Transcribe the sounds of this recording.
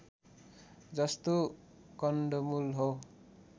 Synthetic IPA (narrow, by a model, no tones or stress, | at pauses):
d͡zʌst̪o | kʌnɖomulɦow